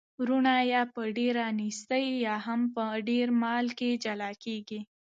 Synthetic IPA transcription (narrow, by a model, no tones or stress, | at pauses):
ɾunajapəɖeɾanist̪əijaɦɐmpəɖeːɾmaːlked͡ʒɐlaːkeɡi